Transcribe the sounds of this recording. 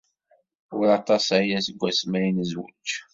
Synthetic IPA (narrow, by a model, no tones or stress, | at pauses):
ʊɾɑt̪ɑsæjæsəɡʷːæsmæjnəzwə̰t͡ʃː